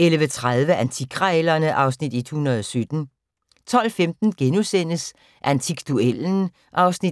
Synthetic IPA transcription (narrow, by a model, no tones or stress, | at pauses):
elʋət͡sʰʁað̞ˠʋəʔænt͡sʰiɡ̥ʰʁalɐnəʔɑ̈ʊsnid̥id̥hunɐð̞ˠɒ̽sød̥n̩ | t͡sʰɒ̽l̰femd̥n̩ɡ̥enusen̰əs | ʔænt͡sʰiɡ̥d̥uel̰n̩ | ʔɑ̈ʊsni